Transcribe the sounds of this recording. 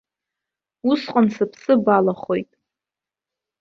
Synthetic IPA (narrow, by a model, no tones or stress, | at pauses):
usqʼansɨpʰsɨbalaχojtʼ